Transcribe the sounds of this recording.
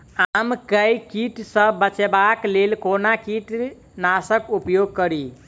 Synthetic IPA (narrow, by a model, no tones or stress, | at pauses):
amkəjkiʈsə̃bət͡ʃebaklelkonakiʈ | nasəkupjoɡ̚kəɾi